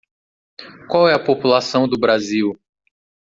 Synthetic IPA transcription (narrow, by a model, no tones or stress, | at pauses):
kwawɛɐpopulasɐ̃w̃d̪ʊbɾaziw